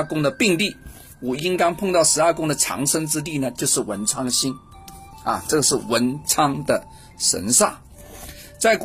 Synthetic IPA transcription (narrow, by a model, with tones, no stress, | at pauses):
kʊ˥ŋd̪ə˨pi˥˧ŋli˥˩ | wɔ˨˩i˥ŋk̪ɑ˥ŋpʰʊ˥˧ŋt̪ɑ˥˩ʊʂɻ̩˧˥ɐ˞˥˧kʊ˥ŋd̪ə˨ʈ͡ʂʰɑ̰˧˥ŋʂə˥ŋʈ͡ʂɻ̩˥t̪i˥˩nə˩t͡ɕjo˥˧ʊʂɻ̩˥˩wə̰˧˥nʈ͡ʂʰɑ˥ŋɕi˥n | ɐ̰˨ʈ͡ʂɤ˥˩ɡə˩ʂɻ̩˥˩wə˧˥nʈ͡ʂʰɑ˥ŋd̪ə˨ | ʂə̰˧˥nʂa˥˩ | t͡sa˥˩ɪk